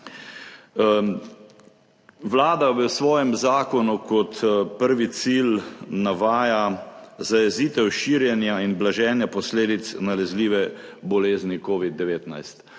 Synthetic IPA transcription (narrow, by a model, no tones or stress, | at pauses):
ʋlaːd̪aʋəsʋɔːjɛmzaːkɔnukɔt̪pəɾʋit̪silnaʋaːjazajɛziːt̪ɛwʃiːɾjɛnjainblaʒɛːnjapɔsleːd̪it̪snalɛzliːʋɛbɔleːznikoːʋid̪̚ːɛʋeːt̪najst̪